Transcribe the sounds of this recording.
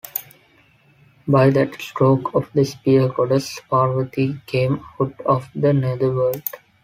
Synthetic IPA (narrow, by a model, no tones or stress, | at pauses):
baɪd̪æʈsʈɾoːkʰɔʋd̪əspiəkɔːɖəspaːɾʋəʈikʰẽːmaʊʈɔːʋd̪əned̪əʋəːlɖ